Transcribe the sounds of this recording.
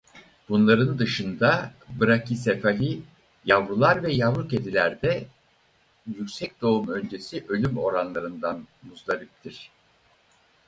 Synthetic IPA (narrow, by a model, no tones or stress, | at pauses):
b̥unlˠaɾɯnd̪ɯʃɯnd̪abɯɾacisefaɦi | javɾulˠaɾvɛjavɾuce̞d̪ilʲæɾd̪ɛ | jycʲsɛc̚d̪̥o̞umø̞nd͡ʒe̞siʔø̞lʲymo̞̰ɾanlˠaɾɯnd̪anmuzlˠaɾɯp̚t̪ʰiɾ̥